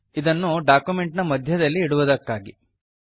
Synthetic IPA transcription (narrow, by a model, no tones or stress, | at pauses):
id̪ɐnːuɖaːkume̞ɳʈnɐmɐd̪ʱjɐd̪ɐlːiːɽuʋud̪ɐkːaːɡi